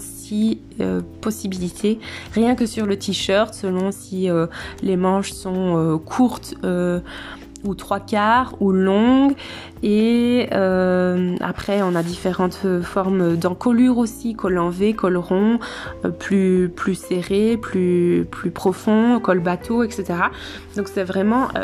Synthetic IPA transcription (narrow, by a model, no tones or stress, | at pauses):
s | i | øpɔsibilit̪ʰeʁjɛ̃kəsyʁlət̪ʰiʃœʁt̪səlɔ̃siølemɑ̃ʃsɔ̃økʰuʁt̪ø | ut̪χwakaːʁulɔ̃ɡ | eøma̰pχɛɔ̃nad̪ifeʁɑ̃t̪øfɔʁmød̪ɑ̃kɔlyʁosikʰɔlɑ̃vekʰɔlʁɔ̃øplyplyseʁeplyplypχɔfɔ̃kɔlbat̪ʰoɛkset̪eʁa | d̪ɔ̃ksɛvʁɛmɑ̃ʔø̰